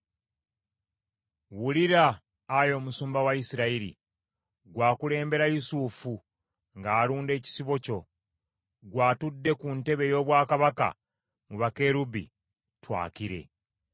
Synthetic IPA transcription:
wuliɾaː | jo̞ːmusuːmbawaisiɾaiɾḭ | ɡwaːkule̞ːmbe̞ɾajusufu | ŋɡaːluːnde̞ːci̥siβo̞co̞ | ɡwaːtudːe̞kunte̞βe̞jo̞ːβwaːkaβaka̰ | muβake̞ɾubḭ | twa̰ːkiɾe̞̰

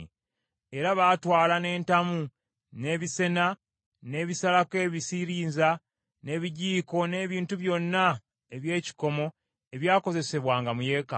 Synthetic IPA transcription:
e̞ɾaβaːtwaːlane̞ːntamu | ne̞ːβise̞na | ne̞ːβisalake̞βisiɾiːnza | ne̞ːβiɟiːko̞ne̞ːβiːntuβjo̞nːa | eβje̞ːci̥ko̞mo̞ | e̞βjaːko̞ze̞se̞βwaːŋɡamuje̞ːka̰

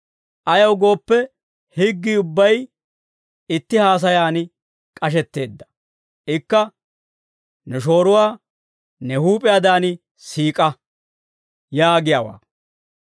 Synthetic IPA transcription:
ʔɐjɐwɡo̞ːpːɛ | hɪɡːiʊbːɐj | ɪt̪ːɪhaːs̬ɐjaːnɪ | kʼɐʃ̬ɛt̪ːe̞ːd̪ːɐ̥ | ɪkːɐ | nɛʃ̬o̞ːɾʊwaː | nɛhuːpʼɪjaːd̪aːnɪ | siːkʼɐ | jaːɡɪjawa̰ː

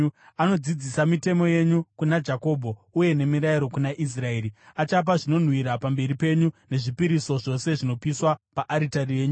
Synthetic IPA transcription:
ano̞d͡zid͡zisamite̞mo̞je̞ɲukunad͡ʒako̞bʱo̞uje̞ne̞miɾaiɾo̞kunaʔis̬rae̞ːɾiat͡ʃap̬aʐino̞n̤wiɾapambe̞ɾipe̞ɲune̞ʐipiɾiso̞ʐo̞se̞ʐino̞piswapaʔaɾitarije̞ːɲu

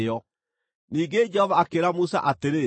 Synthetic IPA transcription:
ɔ | niːŋɡed͡ʒɛhɔvaːkeɾamusa̰ʔateɾe

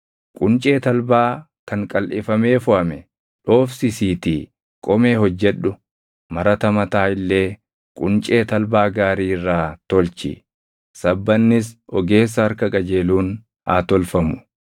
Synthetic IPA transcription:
kʼʊnt͡ʃʼe̞ːt̪ɐlbaː | kʰɐŋkʼɐlʔɪfɐme̞ːfʊʔɐmɛ | ᶑo̞ːfsɪsiːt̪i | kʼɔme̞ːhɔd͡ʒːɛᶑːʊ | mɐɾɐt̪ɐmɐt̪aːɪlːe̞ː | kʼʊnt͡ʃʼe̞ːt̪ɐlbaːɡaːɾiːɪrːaːt̪ɔlt͡ʃɪ̰ | sɐbːɐnːɪs̬ɔɡe̞ːs̬ːɐɐɾkɐkʼɐd͡ʒe̞ːluːn | aːt̪ɔlfɐmʊ̥

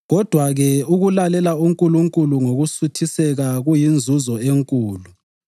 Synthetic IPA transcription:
ɣɔd̥ʱwaɣɛuɣulalɛlauŋkʼuluŋkʼuluŋoɣusutʰisɛɣaɣujind͡zʱuzɔeŋkʼuːlu

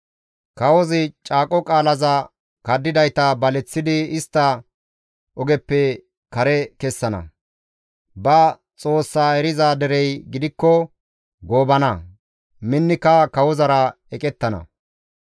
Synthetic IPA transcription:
kɐwɔzɪt͡ʃʼaːkʼɔkʼaːlɐzɐ | kɐd̪ːɪd̪ɐjt̪ɐbɐlɛt͡sːɪd̪ɪɪst̪ːɐ | ɔɡɛpːɛ | kɐɾɛkɛsːɐnɐ̰ | bɐ | t͡sʼo̞ːsːaːɛɾɪzaːd̪ɛɾɛjɡɪd̪ɪkːɔ | ɡo̞ːbɐnɐ | mɪnːɪkːɐkɐwɔzɐɾɐ | ɛkʼɛt̪ːɐnɐ̰

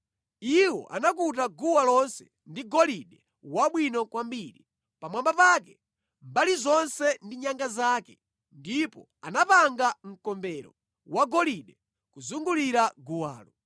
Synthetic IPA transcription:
iwɔ̰ʔa̰nak̬utaɡuwalɔnsɛ | ndiɡɔliɗɛ | waɓwinɔkwambiːɾi | pamwambapak̬ɛ | mbalizɔnsɛndiɲaŋɡazaːkɛ | ndipɔ | a̰napaŋɡaŋ̩kɔmbɛɾɔ̰ | waɡɔliɗɛ | kuzuŋɡuliɾaɡuwa̰ːlɔ

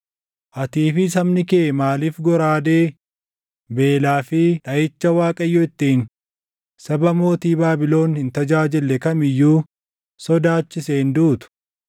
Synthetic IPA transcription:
ʔɐt̪iːfɪsɐmnɪkeːmaːliːfɡɔɾaːd̪eː | be̞ːlaːfɪᶑɐjɪt͡ʃːɐwaːkʼɐjːʊɪt̪ːiːn | sɐbɐmo̞ːt̪iːbaːbɪlo̞ːnhɪnt̪ɐd͡ʒaːd͡ʒɪlːɛkɐmɪjːuː | sɔd̪aːt͡ʃːɪsend̪uːt̪ʊ̥

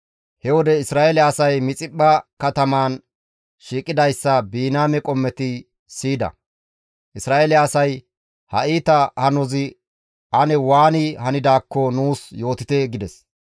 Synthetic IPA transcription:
hɛwɔd̪ɛɪsɾaːʔɛlɐːsɐjmɪt͡sʼɪpʼːɐkɐt̪ɐmaːn | ʃiːkʼːɪd̪ɐjsːɐbiːnaːmɛkʼɔmːɛt̪ɪ | siːd̪ɐ̰ | ʔɪsɾaːelɪːsɐj | hɐ̰ʔiːt̪ɐhɐnɔzɪ | ʔɐnɛwaːnɪhɐnɪd̪aːkːɔnuːsjo̞ːt̪ɪt̪ɛɡɪd̪ɛs

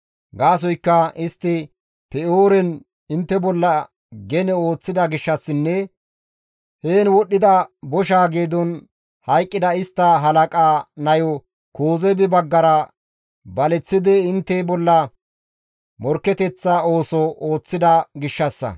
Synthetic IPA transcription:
ɡaːs̬ɔjkːɐɪst̪ːɪ | pɛoːɾɛn | ɪnt̪ːɛbɔlːɐ | ɡɛnɛo̞ːt͡sːɪd̪ɐɡɪʃːɐsːɪnːɛ | heːnwɔɗːɪd̪ɐbɔʃ̬aːɡeːd̪ɔn | hɐjkʼːɪd̪ɐɪst̪ːɐɦɐlɐkʼaːnɐjɔ | koːzɛbɪbɐɡːɐɾɐ | bɐlɛt͡sːɪd̪ɛɪnt̪ːɛbɔlːɐ | mɔɾkːɛt̪ɛt͡sːɐo̞ːsɔoːt͡sːɪd̪ɐɡɪʃːɐsːɐ̰

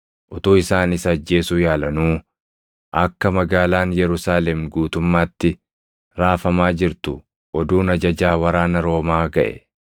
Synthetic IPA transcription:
ʔɔt̪oːɪsaːnɪsɐd͡ʒːe̞ːsuːjaːlɐnuː | ʔɐkːɐmɐɡaːlaːnjɛɾʊsaːlɛmɡuːt̪ʊmːaːt̪ːɪ | ɾaːfɐmaːd͡ʒɪɾt̪ʊ | ʔɔd̪uːnɐd͡ʒɐd͡ʒaːwɐɾaːnɐɾo̞ːmaːɡɐ̰ʔɛ̥̰

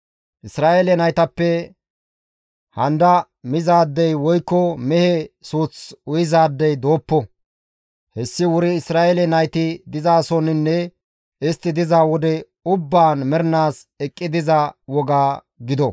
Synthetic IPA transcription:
ʔɪsɾaːʔelɛnɐjt̪ɐpːɛ | hɐnd̪ɐ | mɪzaːd̪ːɛjwɔjkːɔmɛhɛsuːt͡sʊjɪzaːd̪ːɛjd̪o̞ːpːɔ | hɛsːɪwʊɾɪɪsɾaːʔelɛnɐjt̪ɪd̪ɪzaːsɔnɪnːɛ | ɪst̪ːɪd̪ɪzaːwɔd̪ɛ | ʊbːaːnmɛɾnaːs | ɛkʼːɪd̪ɪzawɔɡaː | ɡɪd̪ɔ

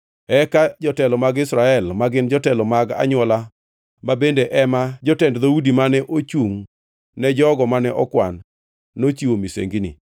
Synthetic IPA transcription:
ɛkad͡ʒɔtɛlɔmaɡɪsɾaɛlmaɡɪnd͡ʒɔtɛlɔmaɡa̰ɲwɔla | mabendeʔɛmad͡ʒɔtɛndd̪audimanɛʔot͡ʃuŋ | nɛd͡ʒɔɡɔmanɛʔɔkwa̰nː | ot͡ʃiwomisḛŋɡinḭ

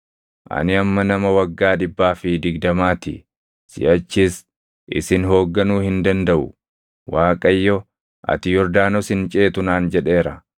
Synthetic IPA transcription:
ʔɐ̰nɪɐmːɐnɐmɐwɐɡːaːᶑɪbːaːfɪd̪ɪɡd̪ɐmaːt̪ɪ̰ | sɪ̰jɐt͡ʃːis | ʔɪ̰sɪnɦo̞ːɡːɐnuːhɪnd̪ɐnd̪ɐʔʊ̰ | waːkʼɐjːɔ | ʔɐ̰t̪ɪjɔɾd̪aːnɔsɪnt͡ʃʼeːt̪ʊnaːnd͡ʒɛᶑe̞ːɾɐ

